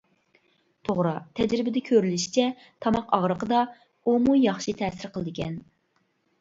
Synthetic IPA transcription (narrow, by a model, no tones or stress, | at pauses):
t̪ʰoʁɾɑt̪ʰɛd͡ʒɾɪbɪd̪ɛkʲʰøɾylyʃi̥t͡ʃʰɛ | t̪ʰɑmɑqʰɑʁɾəqəd̪ɑ | umujɑχʃit̪ʰɛsɪɾqʰəlˠɨd̪ɪkʲʰɛn